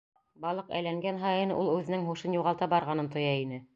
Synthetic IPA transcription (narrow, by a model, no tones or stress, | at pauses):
bɑlˠɤqæ̰jlæŋɡænɦɑjɤ̆nɤ̰ʔulˠʉðɘ̆nɘŋɦuʃɤnjuʁɑlˠt̪ɑbɑɾʁɑnɤnt̪ŏjɑinɘ